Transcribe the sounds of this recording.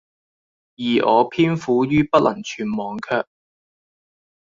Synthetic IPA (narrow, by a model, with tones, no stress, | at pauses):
jiː˨˩ʔɔ̰ː˨˧pʰiː˥nfuː˨˥jyː˥pɐ˥t̚lʔɐ̰˨˩ŋt͡ʃʰyː˨˧nmɔː˨˧ŋkʰœː˧k̚